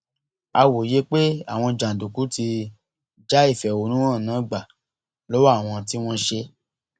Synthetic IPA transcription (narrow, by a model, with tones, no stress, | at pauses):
a˧wo˨je˦k͡pe˦a̰˦˨w̃ɔ̃˧d͡ʒã˨du˨ku˨˦ti˧ | d͡ʒa˦i˦˨fɛ˨o˨˦nũ˦wɔ̃˦˨nã˨˦ɡ͡ba˨ | lo˦wa˦˨w̃ɔ̃˧t̬i˦w̃ɔ̃˦ʃe˧